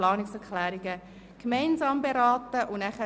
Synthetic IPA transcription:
lɑːnɪksɛɾkʰlɛːɾiɡə | kmɛɪnzɑːmbeɾɑːtəʔʊnæχə

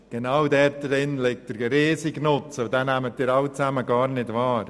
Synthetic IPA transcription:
ɡ̥enawdɛːɾdɾɪnlɪk̚t̚d̥əɾɾeːsiɡnʊt͡sɔd̥aːnæmət̚dɪɾaʊt͡sæməɡɑːɾnɪdvaːɾ

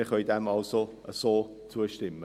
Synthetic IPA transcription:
ɪχœʏdɛmɑlsoʔəsoː | t͡suəʃtɪmə

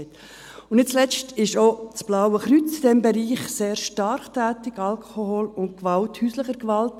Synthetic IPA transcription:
t | ʊnnɪt̚t͡slɛt͡ʃtɪʃot͡sb̥lɑwəχɾyt͡sid̥ɛmbɛɾiːχseːɾʃtɑɾχtæːtɪɡɑlkʰχoholʊnt̚kʋɑlthyːsləχəɾkʋɑlt

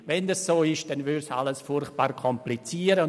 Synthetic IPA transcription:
vɛndɑssoːɪʃdɛnvʏɾsa̰ləsfʊrχt̚b̥aːɾkʰɔmplit͡siːəɾə

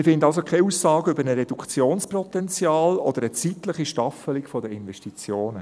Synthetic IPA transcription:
mɪfɪndɑls̬okʰɛusːɑːɡəʏbəɾnəɾɛd̥ukt͡sjoːnspɾɔtɛnt͡sjɑːlɔd̥̪əɾət͡sit̪ləχiʃtɑfəliɡfɔdəɪnvɛʃtit͡sjoːnə

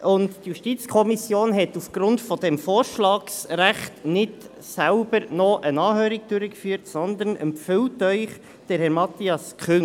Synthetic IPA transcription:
ʔʊndtjuʃtit͡skʰɔmisjoːnɦɛtufɡ̥ɾʊntfɔdɛmfoːɾʃlɑːksɾæχtnɪd | sælb̥əɾnɔʔənɑːhøːɾiɡ̚d̥ʉɾəkfyːɾtsɔnd̪ənə̰mpfʏltœʏχ | d̥ɛɾhɛɾmɑtiɑskʰχʏŋ

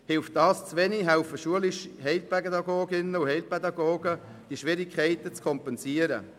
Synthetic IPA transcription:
hɪlft̚d̥ɑːst͡sʋɛniɦɛʊfəʃuəlɪʃhɛɪlpʰɛɡɛdɑɡoːɡɪnəuhɛɪlpʰɛd̪ɑɡoːɡə | d̥iʃʋɪɾɪkʰχɛɪtət͡skʰɔmpɛnsiːəɾə̰

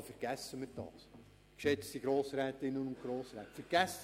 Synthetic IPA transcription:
fəɾɡ̥æsːəmɪt̚d̥ɑ̰ːs | kʃɛt͡stiɡ̥ɾoːsɾɛːt̪ɪnːənʊnt̚kɾoːsɾɛːtfəɾɡ̥æs

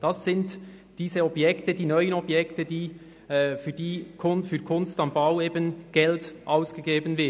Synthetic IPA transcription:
d̥ɑsːɪntd̥iːzəɔbjɛktədiːnœʏənɔbjɛktədiː | fyːdiːkʰʊnfyːɐkʰʊnstɑmbaʊeːbənɡ̥ɛltʔaʊsɡ̥əɡeːbənvɪ

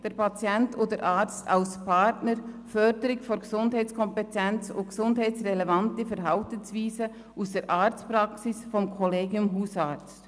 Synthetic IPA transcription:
d̥eːɐpat͡sjɛntoːdəɾʔaːt͡sta̰ʊspʰatnəɾfœɾdəɾɪçfonɡ̥əzʊndhaɪtt͡skʰɔmpɛtʰɛnt͡sʊ̰ntɡəz̥ʊndhaɪt͡ssʁelevantəfɛɾɦaltənsv̥iːzə | ʔusd̥eːɾʔaːt͡stpʁɑksɪsfɔmkʰɔleːɡjʊmɦuːsaːt͡st

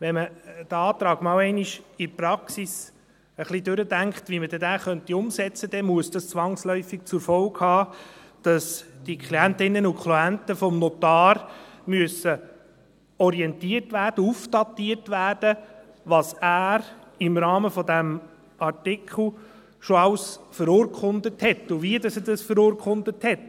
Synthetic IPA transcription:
ʋɛməd̥əɑːt̪ɾɑːɡ̥mɑːlwɛɪniʃiɾpɾɑksis | əχlidøɾədæŋktʋimədɛdæːχœntiʊmsɛt͡səd̥ɛmuəsd̥ɑst͡sʋɑŋslœʏfik̚t͡suɾfɔlkhɑː | d̥ɑsd̥ikʰχliæntɪnːənukʰluæntəfɔmnɔtɑːɾmyəsə | ɔɾiɛntiərtʋæːrd̥əufd̥ɑtːiːərtʋæːrd̥ə | ʋɑsæːɾɪmɾɑːməfɔdæm | ɑrtɪkʰχl̩ | ʃoɑwsfəɾʊːɾkχʊndəthɛtːʊviədɑsədɑsfəɾoːɾkʰχʊndəthɛt

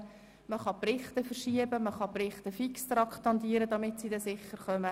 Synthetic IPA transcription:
məχɑprɪχtəfəɾʃiəbəməχɑprɪχt̪əfikst̪ɾɑkχt̪ɑnd̪iːəɾədɑmɪtsidɛsɪχːəɾχœmə

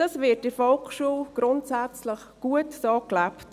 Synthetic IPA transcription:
d̥ɑsʋɪtɪfɔlkʃuəlɡ̥ɾʊntsæt͡sləχɡ̥uətsoːklapt

